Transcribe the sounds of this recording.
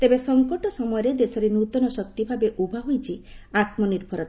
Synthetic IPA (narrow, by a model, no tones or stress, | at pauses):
t̪ebesɔŋkɔʈɔsɔmɔjɔɾed̪esɔɾenut̪ɔnɔsɔk̚t̪ibʱabeʔubʱaɦujt͡ʃʰiat̪̚mɔniɾbʱɔɾɔt̪